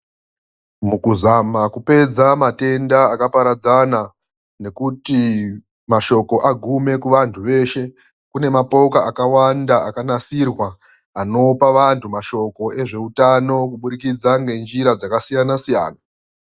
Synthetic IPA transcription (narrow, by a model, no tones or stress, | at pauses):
mukuzamakupe̞d͡zamate̞ndaːkapaɾad͡zana | ne̞kuti | maʃo̞ko̞ʔaɡʱume̞kuʋantʰuʋe̞ːʃe̞ | kune̞mapo̞kaakawandaakanasirwaː | no̞paʋantʰumaʃo̞ko̞ʔe̞ʐe̞utano̞kuɓuɾikid͡zaŋɡe̞nd͡ʒiɾad͡zakasijanasija̰ːna